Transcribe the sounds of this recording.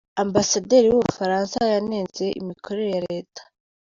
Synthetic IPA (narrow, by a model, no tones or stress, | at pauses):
ambasadeɾiwuβuufaɾaːnsajaneːnze̞ʔḭmikʰo̞ɾe̞ɾejaɾe̞ːtḁ